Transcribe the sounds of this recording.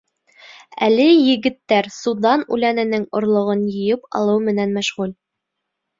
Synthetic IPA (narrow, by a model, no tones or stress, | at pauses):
ælɘjɘ̆ɡɘ̆t̪ːæɾsud̪ɑnʉ̰lænɘ̆nɘŋŏɾlˠŏʁɤnjɤ̆jɤpɑ̰lˠɤwmɘ̆nænmæʃʁʉl